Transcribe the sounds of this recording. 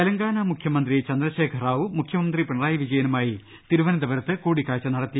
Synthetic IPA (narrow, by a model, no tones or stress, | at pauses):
ɐlɐŋɡaːnɐmukʰjɐmɐnd̪rit͡ɕɐnd̪rɐɕeːkʰɐraːʋumukʰjɐmɐnd̪ripiɳɐraːjɐʋid͡ʑɐjɐnumaːji | t̪iɾuʋɐnɐd̪ɐʋɐɾɐt̪ːɨkuːɽikːaːt͡ɕːɐnɐɽɐt̪ːi